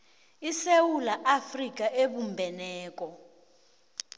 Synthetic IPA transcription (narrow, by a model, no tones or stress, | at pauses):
isewulaʔafrik̬ʼaʔeɓumbʱɛnɛːk̬ʼɔ